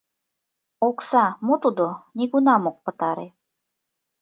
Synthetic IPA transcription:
oksɑmot̪ud̪onʲiɡunɑmok̚pə̆t̪ɑɾe

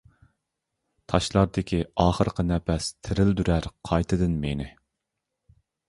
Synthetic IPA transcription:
t̪ʰɑʃlˠɑɾd̪ɪkʲʰiɑːχəɾqʰənɛpʰɛst̪ʰɪɾɪld̪yɾæɾqʰɑjt̪ʰɨd̪ɨnmenɪ

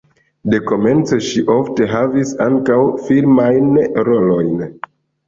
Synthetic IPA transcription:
de̞ko̞me̞nt͡soʃiʔofte̞ɦavisaŋkawfiɾmajnɾo̞lo̞jn

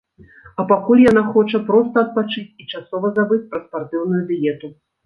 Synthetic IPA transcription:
ɐpakulʲjan̪axɔt͡ʂɐpɾɔst̪ɐɐt̪̚pat͡ʂɨt͡sʲit͡ʂasɔvɐzabɨt͡sʲpɾɐspart̪ɨwnujud̪ʲijɛt̪u

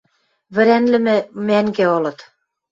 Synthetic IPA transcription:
βɘ̆ɾænlɘ̆mɘ̆mæŋɡeolɤ̆t̪

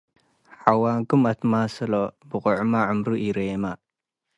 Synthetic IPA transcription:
ħawaŋkumat̪masəlobəqʊʕmaʕʊmɾuʔiɾema

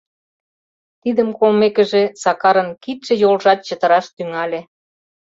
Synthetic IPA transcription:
t̪id̪əmkolmekə̆ʒĕsɑkɑɾə̆nkit̪ʃĕjolʒɑt̪̚t͡ɕə̆t̪ə̆ɾɑʃt̪yŋɑlʲĕ

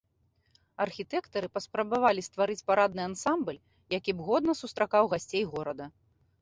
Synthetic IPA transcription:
ɐrxʲit̪ɛkt̪ɐɾɨpɐspɾɐbavalʲist̪vaɾɨt͡sʲpaɾad̪nɨansamblʲ | jakʲibɣɔd̪nɐsust̪ɾakawɣasʲt͡sʲejɣɔɾɐd̪ɐ

